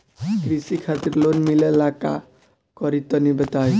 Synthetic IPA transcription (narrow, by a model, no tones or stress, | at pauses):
kɾisikʰat̪iɾlonmilelaka̰ | kʌɾit̪ɔnibət̪aj